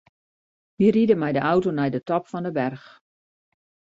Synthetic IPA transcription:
ʋiəridəmɛjdəʔawtonɛjdətɔpfɔndəbɛrx

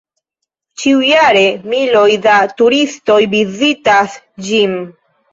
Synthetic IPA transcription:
t͡ʃiujaɾe̞milo̞jdatuɾisto̞jbizitas | d͡ʒim

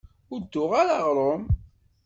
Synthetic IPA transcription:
ʊd̪ːʊʁaɾaʁɾˤom

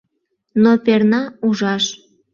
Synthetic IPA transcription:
nopernɑuʒɑʃ

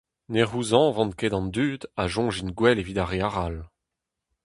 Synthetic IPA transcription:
neʁuzɑ̃vɑ̃nkedɑ̃nd̪yːd̪aʒɔ̃ʒinɡwɛleviːdaʁeaʁal

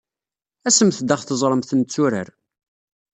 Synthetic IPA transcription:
æsəmθd̪aχθəzˤɾˤəmθənt͡sːuɾə̰ɾ

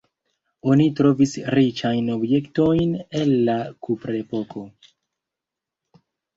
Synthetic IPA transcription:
o̞nitɾo̞visɾit͡ʃajno̞bje̞kto̞jne̞lːakupɾe̞po̞kʰo̞

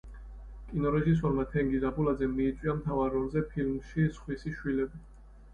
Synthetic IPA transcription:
kʼinɔɾɛʒis̬ɔɾmat̪ʰɛŋɡizabulad̪zɛiːt̪sʼwiamt̪ʰavaɾɔlˠzɛpʰilmʃisχwisiʃwilɛbi

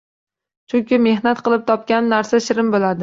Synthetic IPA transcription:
t͡ʃʰʊŋkʲɪme̞ɦnat̪̚qɨlˠɪp̚t̪ʰɒp̚kʲanːaɾsaʃɪɾɪmbolad̪ɪ

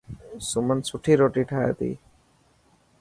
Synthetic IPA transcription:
sumənsuʈʰiɾoʈiʈʰaja̰t̪ḭ

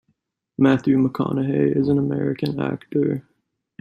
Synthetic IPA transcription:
mæθjʉməkʰɑ̰nɨɦeɪʔɪzɨ̃nəmɛɹɨkɨ̃næ̰ktə˞

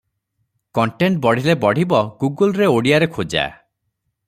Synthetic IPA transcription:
kɔɳʈeɳʈ̚bɔɽ̤ilebɔɽ̤ibɔɡuɡolɾeoɽijaɾekʰod͡ʒa̰

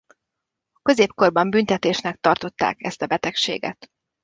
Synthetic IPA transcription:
køzeːp̚ko̞rbɒmbynt̪ɛt̪eːʃnɛk̚t̪ɒrt̪o̞t̪ːa̰ːkɛ̰st̪ɒbɛt̪ɛkʃḛːɡɛ̰t̪

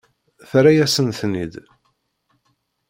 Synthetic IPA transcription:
θɾæjæsənθnid̪

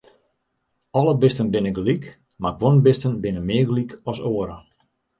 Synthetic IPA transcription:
ɔləbɪstənbɪnəɡlik | maɡʋonbɪstənbɪnəmɪəɡlikɔsoəɾə

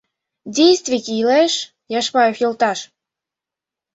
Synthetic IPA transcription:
dʲejst̪vʲikʲiileʃ | jɑʃpɑjefjult̪ɑʃ

